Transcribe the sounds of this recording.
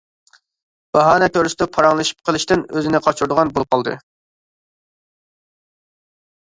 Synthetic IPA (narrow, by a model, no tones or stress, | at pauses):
b̥ɑɦɑːnɛkʲʰøɾst̪ɑpʰɑɾɑŋlˠɨʃi̥p̚qʰəlˠɨʃt̪ɪnøzɪnɪqʰɑt͡ʃʰuɾd̪ʊʁɑnbolˠɨp̚qɑlˠd̪ɨ̰